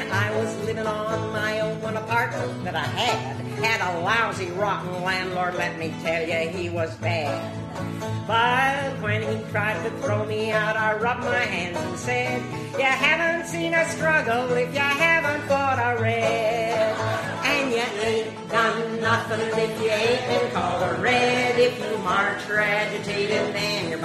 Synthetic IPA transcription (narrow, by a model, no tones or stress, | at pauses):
aɪwʌzlɪvɪ̃ŋənmaɪõʊ̃nwʌ̃nəpʰɑɹt̚mə̃nt̪̚ðɨɾaɪɨd̥̚ | hɨɾəlaʊziɹɑʔn̩læ̃ndˡlɔɹdˡlɛt̚mitʰɛlˠjɨiwʌzbæd | bʌwɨ̃nitʰɹ̥aɪd̚tʰɨθɹoʊmiaʊɾaɪɹʌp̚maɪɦæ̃ndzə̃nsɛd̚ | jaɪɦævə̃ntsĩnɨstɹ̥ʌɡl̩ˠɪfjaɪɦævə̃ntb̥ɔɾəɹɛd | ɨ̃njɛẽɪ | d̥ʌ̃nːʌθɪ̃ŋðɪfjɨẽɪ̃mɨ̃nkʰɔlˠəɹɛɾɪfjɨməɹtʰɹ̥æd͡ʒɨkʰeɪɾɨ̃nðɨ̃njə˞